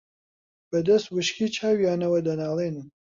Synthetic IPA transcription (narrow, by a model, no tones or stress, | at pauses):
b̥ɨd̪ɐst̪wɨʃkiːt͡ʃʰaːwjaːnɐwɐd̪ɐnaːlˠeːnɨ